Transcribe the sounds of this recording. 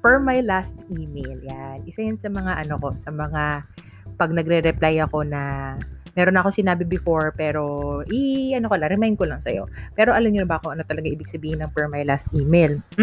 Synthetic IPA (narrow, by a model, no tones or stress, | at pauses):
fɛɹmajlast̪̚ʔiːmejljanʔɪsajʊnsɐmɐŋaʔɐno̞ko̞sɐmɐŋa | pɐɡ̚nɐɡɾɛɾɛplajɐko̞nɐmɛːɾonɐkosɪnaːbɪbɪfo̞ɹpɛːɾo̞ʔɪʔɐno̞kolɐɾɛmajnd̪̚kolɐŋsɐ̰jo̞̰pɛːɾo̞ʔɐlɐmɲonɐbɐʔkoŋʔɐno̞t̪ɐlɐɡaʔiːbɪɡ̚sɐbiːhɪnːɐŋfɛɹmajlast̪̚ʔiːmejl